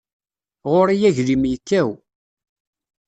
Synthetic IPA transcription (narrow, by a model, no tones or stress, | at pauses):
ʁoɾijæʝlimjəkːæw